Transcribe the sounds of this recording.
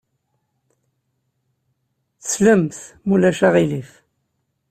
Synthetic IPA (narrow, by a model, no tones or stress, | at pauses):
θə̥sləmθmulæʃaʁilif